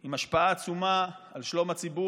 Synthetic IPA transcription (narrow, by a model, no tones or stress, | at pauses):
imaʃpaaːt͡sumaːlʃlo̞mat͡sibu